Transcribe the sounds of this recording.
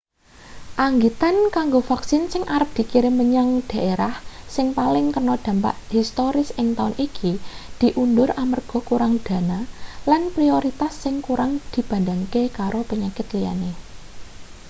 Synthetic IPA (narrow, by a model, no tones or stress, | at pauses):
ʔaŋɡit̪ankaŋɡofaksɪnsɪŋʔaɾəp̚d̪̥i̤kiɾeməɲaŋd̪̥a̤ʔeɾahsɪŋpalɪŋt̪ərnɔd̪̥ä̤mpa̰ʔhist̪oɾɪsɪŋt̪aʊnʔikʰid̪̥i̤ʔund̪ʊɾamərɡ̥ɔ̤kuɾaŋd̪̥a̤nalanpɾioɾit̪asːɪŋkuɾaŋd̪̥i̤b̥a̤ndaŋkekaɾopəɲakɪt̪lija̰ne